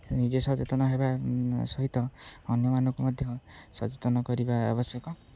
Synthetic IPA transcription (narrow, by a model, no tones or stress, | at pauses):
nid͡ʒesɔt͡ʃet̪ɔnɔɦebasɔɦit̪ɔːnjɔmanɔŋkumɔd̪ʱjɔsɔt͡ʃet̪ɔnɔkɔɾibaa̰bɔsjɔkɔ